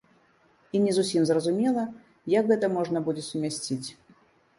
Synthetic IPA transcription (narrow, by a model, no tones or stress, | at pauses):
inʲɛzusʲimzrɐzumʲɛlˠɐ | jakɣɛt̪ɐmɔʐnɐbud͡zʲɛsumʲasʲt͡sʲit͡sʲ